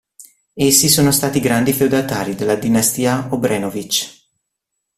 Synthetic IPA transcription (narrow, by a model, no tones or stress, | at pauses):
esːisoːnost̪aːt̪iɡɾand̪ifeowd̪at̪aːɾid̪elːad̪inast̪iːaobɾɛːnovit͡ʃ